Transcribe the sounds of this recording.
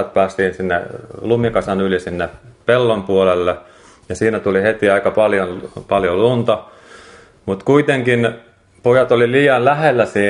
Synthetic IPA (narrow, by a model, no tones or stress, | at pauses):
t̪̚pæːst̪iːnsinːḛlumikɑsɑnylisinːepelːompuolelːe | jɑsiːnæt̪ulihet̪iɑikɑpɑljonpɑljolunt̪ɑ | mut̪kuit̪eŋkin | pojɑt̪oliliːjɑnlæhelːæsiː